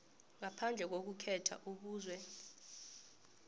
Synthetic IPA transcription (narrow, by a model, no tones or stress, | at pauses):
ŋapʰand͡ɮʱɛk̬ok̬ukʰɛtʰa̰ʔuɓuːzwɛ